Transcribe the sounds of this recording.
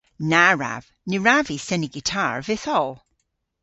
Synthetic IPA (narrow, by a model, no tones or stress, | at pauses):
naɹa̰v̥ | nʉɹavisɛniɡitʰa̰ɹvɪθɔlˠ